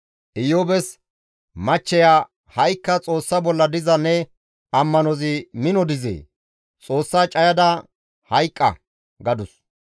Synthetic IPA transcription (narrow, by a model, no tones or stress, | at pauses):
ʔɪjoːbɛs | mɐt͡ʃːɛja | hɐjkːɐt͡sʼo̞ːsːɐbɔlːɐd̪ɪzɐnːɛ | ɐmːɐnɔzɪmɪnɔd̪ɪzḛː | t͡sʼo̞ːsːaːt͡ʃʼɐjɐd̪ɐ | hɐjkʼːɐ̰ | ɡɐd̪ʊs